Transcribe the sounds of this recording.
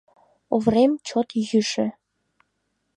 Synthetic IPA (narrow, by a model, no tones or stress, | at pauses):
uvremt͡ɕot̪jyʃĕ